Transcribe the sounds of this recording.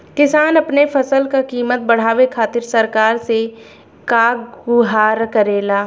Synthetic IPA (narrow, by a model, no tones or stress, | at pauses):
kɪsaːnɐpnefʰɐsəlkakiːmət̪̚bɐɽ̤aːʋekʰaːt̪ɪɾsɐɾkaːɾse | kaɡʊɦaːɾkɐɾeːlaː